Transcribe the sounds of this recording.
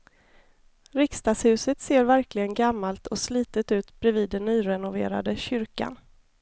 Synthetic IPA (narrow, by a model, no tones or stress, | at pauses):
ɾɪkst̪ɑːshʉ̟ːsət̪seːɾvæɾklɪɡənɡamːalt̪ʰɔsliːt̪ət̪ʉ̟ːt̪bɾɛviːd̪ːɛnːyːɾɛnʊvḛːɾa̰d̪əɕʏɾka̰n